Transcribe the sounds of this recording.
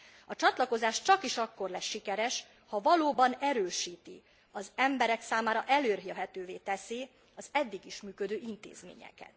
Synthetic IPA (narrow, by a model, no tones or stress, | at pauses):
ɒt͡ʃɒt̪lɒko̞zaːʃt͡ʃɒkiʃɒkːo̞rlɛʃːikɛɾɛʃ | hɒvɒloːbɒnɛɾøːʃiːt̪ḭ | ɒzɛmbɛɾɛksaːmaːɾɒʔɛløːrɦiøɦɛt̪øːveːt̪ɛsi | ɒzɛd̪ːiɡiʃmyːkød̪øːʔint̪ḛːzmḛːɲɛ̰kɛ̰t̪